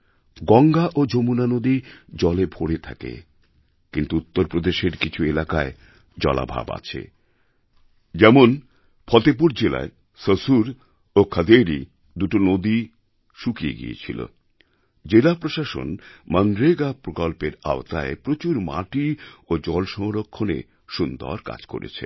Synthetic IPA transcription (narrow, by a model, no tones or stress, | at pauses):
ɡɔŋɡaʔod͡ʑomunanod̪id͡ʑɔlebʱoɽet̪ʰa̰kḛ | kint̪uut̪ːoɾpɾod̪eʃeɾkit͡ɕʰuelakae | d͡ʑɔ̰la̰bʱa̰ba̰t͡ɕʰḛ | d͡ʑɛmon | pʰɔt̪ep̬uɾd͡ʑela̰e | səsuɾ | okʰəd̪eɾḭ | d̪uʈonod̪i | ʃukiḛɡḭḛt͡ɕʰilo̰ | d͡ʑelapɾoʃaʃo̰nmənɾeɡapɾokɔlpeɾa̰ot̪aepɾot͡ɕuɾma̰ʈiod͡ʑɔlʃɔŋɾokʰːonḛ | ʃund̪ɔ̰ɾka̰d͡ʑko̰ɾḛt͡ɕʰḛ